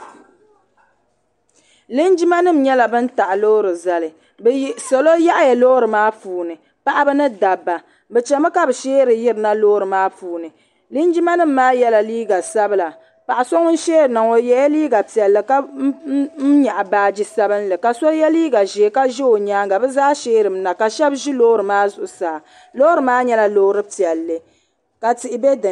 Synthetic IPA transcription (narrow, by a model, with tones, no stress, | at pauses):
li˦nd͡ʒi˦ma˦nɨ˦m̩˦ɲɛ˦la˨bɨ˦n̩˦ta˨ʔlo˦ɾɨ˨za˨lɨ˨ | bsa˨lo˦ja˦ʔa˦jɛ˨lo˦ɾɨ˨maː˦fuː˨nɨ˨ | pa˦ʔa˦bɨ˦nɨ˦da˨bːa˨ | bɛ˨t͡ʃɛ˨ma˦ka˦bɨ˨ʃeː˦ɾɨ˨ji˦ɾɨ˨na˦loː˦ɾɨ˨maː˦fuː˨nɨ˨ | lɨ˦n˦d͡ʒi˦ma˦nɨ˦˨m̩ː˦aː˦jɛ˦la˨liː˦ɡa˨sa˦bɨ˦la˨ | pa˨ʔa˨so˦ŋ˦n̩˦ʃeː˦ɾɨ˨na˨ŋo˨jɛ˨ja˦liː˦ɡa˨pi˨ɛ˨lːɨ˨ka˦ | m̩˦ɲa˨ʔa˨baː˦d͡ʒi˦sa˦bɨ˦nlɨ˨ka˨so˦jɛ˦liː˦ɡa˨ʒe˨ka˦ʒɛ˦o˨ɲaː˦ŋɡa˨bɛ˦zaː˦ʃeː˦ɾɨ˨m̩˦na˨ka˨ʃɛ˦bʒi˦loː˦ɾɨ˨maː˦zʊ˨ʔʊ˨saː˨ | loː˦ɾɨ˨maː˦ɲɛ˦la˦loː˦ɾɨ˦pi˨ɛ˨lːɨ˨ | ka˨ti˨ʔɪ˨be˦dɨ˨